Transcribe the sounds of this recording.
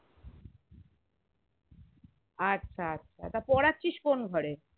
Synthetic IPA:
atːɕʰaatːɕʰa̰t̪aɾpɔɽat͡ɕiʃkonɡʱɔɾe

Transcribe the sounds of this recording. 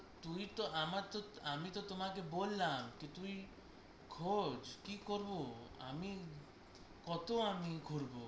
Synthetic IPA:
t̪uit̪oamaɾt̪oamit̪ot̪omakebolːamket̪ui | kʰod͡ʑkikoɾboa̰mi | kɔt̪oamikʰoɾbo

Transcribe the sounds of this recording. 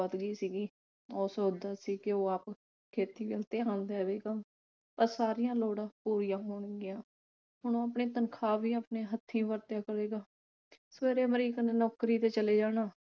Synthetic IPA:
ət̪ɡiːsiːɡiː | ɔːsoːd̪aːsiːkɪoːaːp | kʰeːt̪iːʋɪlt̪eːɦand̪eːʋeːɡaː | pəɾsaːɾɪjãːloːɽãːpuːɾɪjãːɦoːɳɡɪjãː | ɦʊɳoːaːpɳeːt̪ənkʰaːʋiːaːpneːɦət̪ʰːĩːʋəɾt̪jaːkəɾeːɡaː | sʋeːɾeːməɾiːkəneːnɔːkɾiːt̪eːt͡ʃəleːd͡ʒaːnaː

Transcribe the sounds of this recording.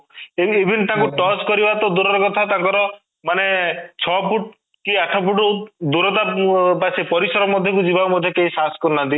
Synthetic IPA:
eebʱint̪ãŋkuʈɔskɔɾibat̪ɔd̪uɾɔɾɔkɔt̪ʰat̪ãŋkɔɾɔ | manet͡ʃʰɔpuʈ | kiaʈʰɔpuʈud̪uɾɔt̪̬apasepɔɾisɔɾɔmɔd̪ʱjɔk̬ud͡ʒibamɔd̪ʱjɔkeisaskɔɾnant̪i

